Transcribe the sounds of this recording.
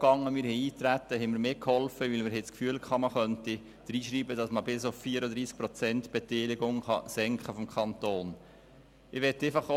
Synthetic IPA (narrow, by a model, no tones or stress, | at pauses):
ɡ̥ɑŋːəmɪɾhɛiːt̪ɾæt̪ːəɦɛmɪɾmeːkhɔlfəʋilməɾɦɪskfyəlkʰχɑməχœnti | d̪̥əɾiːʃɾiːbəd̥ɑsməbɪsʊfːiəɾəd̪ɾiːsk̚pɾɔt͡sɛntb̥ɛt̪ɛːlɪɡʊŋχɑ̰sɛŋkχəfɔmkχɑntoːn | ɪʋɛtːɛfɑχo